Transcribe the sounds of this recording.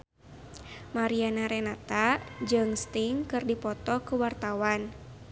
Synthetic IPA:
maɾianaɾɛnat̪ad͡ʒɨŋst̪iŋkɨrdipɔt̪ɔkuwart̪awan

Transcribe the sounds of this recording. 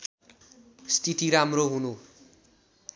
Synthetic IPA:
sʈiʈiɾamroɦunu

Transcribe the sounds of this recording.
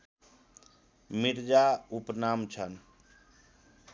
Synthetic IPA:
miɾd͡ʒaupnamt͡ʃʰən

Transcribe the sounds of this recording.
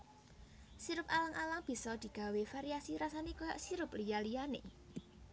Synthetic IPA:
siɾʊpalaŋʔalaŋb̥i̤sɔd̪̥i̤ɡ̥a̤wefaɾiasiɾasanekojaʔsiɾʊp̚lijalijanḛ

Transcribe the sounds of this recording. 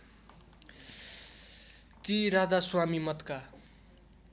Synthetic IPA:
t̪iɾad̪aswamimʌt̪ka

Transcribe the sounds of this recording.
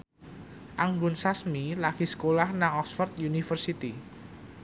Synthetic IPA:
ʔaŋɡunsasmilaɡ̥isə̥kolahnaŋɔksfərt̪junifərsit̪i

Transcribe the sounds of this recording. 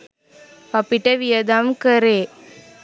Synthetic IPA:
ɐpːiʈːɐʋijɐd̪aːmkɐɾeː

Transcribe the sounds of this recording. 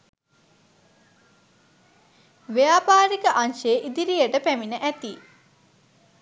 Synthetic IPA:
ʋejaːpaːɾikəʔanʃeːʔid̪iɾijəʈəpæminəʔæt̪i

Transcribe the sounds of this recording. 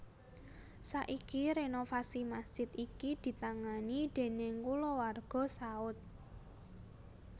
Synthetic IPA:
saʔikiɾenofasimasʒ̥ɪt̪ikid̪̥i̤t̪aŋanid̪̥e̤neŋkulɔwarɡ̥ɔ̤saʊt̪̚

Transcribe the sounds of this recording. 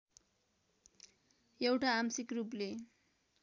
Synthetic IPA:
jewʈaːmsikruple

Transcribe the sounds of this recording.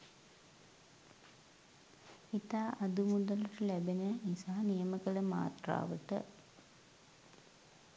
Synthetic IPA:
it̪aːʔɐd̪umud̪ɐluʈəlæbenəinsaɦnijəməkələma̰ːt̪ra̰ːʋəʈə̰

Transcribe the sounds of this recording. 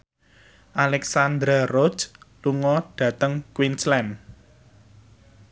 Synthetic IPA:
ʔalɛksand̪ɾarod͡ʒluŋɔɖ̥ä̤t̪əŋkwinslɛm

